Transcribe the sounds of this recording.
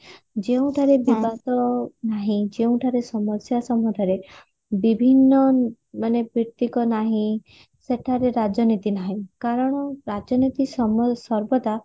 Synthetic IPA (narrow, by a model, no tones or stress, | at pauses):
d͡ʒeũʈʰaɾebibat̪ɔnaɦĩd͡ʒeũʈʰaɾesɔmɔsjasɔmɔʈʰaɾe | bibʱinːɔ | manepiɾt̪ikɔnaɦĩ | seʈʰaɾeɾad͡ʒjɔnit̪inaɦĩkaɾɔɽ̃ɔɾad͡ʒjɔnit̪isɔmsɔɾbɔt̪a